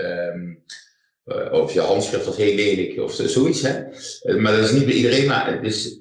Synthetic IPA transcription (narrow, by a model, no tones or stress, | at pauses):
m | ɔfjəhɑntsχrɪftɔtheːleːlɪkʰɔ̰fzoːitsɦɛmadɔtɪsnit̚bɛʔidəreːnma̰dɪs